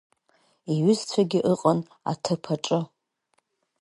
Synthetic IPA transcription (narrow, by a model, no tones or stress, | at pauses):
iɥʏzt͡sʷʰaɡʲɪʔɨqʼan | a̰tʰɨpʰaʈ͡ʂʼɨ